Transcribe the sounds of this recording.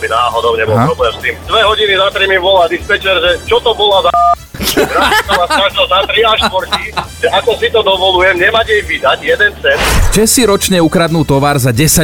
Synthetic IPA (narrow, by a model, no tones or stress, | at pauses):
binaːɦɔd̪ɔʊɲɛbɔlpɾɔblɛːmst̪imd̪ʋɛɦɔɟinizat̪ɾimiʋɔlad̪ispɛt͡ʃɛɾʒɛt͡ʃɔt̪ɔbɔlazaɛɾasisɔmasɾaʒɔlzat̪ɾiaʃt̪ʋɔɾkiʒɛʔakɔsit̪ɔd̪ɔʋɔlujɛmɲɛmacɛjʋid̪aɟjɛd̪ɛnt͡sɛnt͡ʃɛsiɾɔt͡ʃɲɛukɾad̪nuːt̪ɔʋaːɾzaɟɛsa